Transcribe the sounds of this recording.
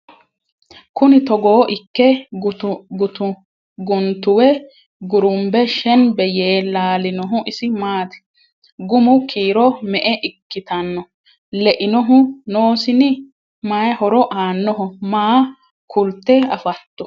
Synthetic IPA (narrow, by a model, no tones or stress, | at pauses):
kʊnɪt̪ɔɡoːʔɪkːɛ | t̪ʊ | ɡʊnt̪ʊwɛ | ɡʊɾʊmbɛʃɛnbɛjeːlaːlɪnɔɦʊʔɪsɪmaːt̪ɛ̥ | ɡʊmʊkʰiːɾɔmɛʔɛʔɪkːɪt̪ɐnːɔ | lɛʔɪnɔɦʊnoːsɪnɪ | maːjhɔɾɔʔaːnːɔɦʊmaː | kʰʊlt̪ːɛɐfɐt̪ːʊ̥